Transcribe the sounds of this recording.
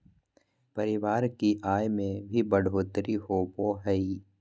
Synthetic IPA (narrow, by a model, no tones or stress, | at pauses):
pɐɾɪʋaːɾkiʔaːjmẽbʱibɐɽʱoːt̪ɾihoboɦɛi